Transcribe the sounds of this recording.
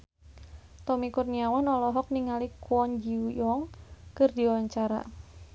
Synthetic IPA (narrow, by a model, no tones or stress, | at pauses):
t̪ɔmikurniawanɔlɔɦɔk̚niŋalikuwɔnd͡ʒiujɔŋkɨrdiawwaɲt͡ʃaɾa̰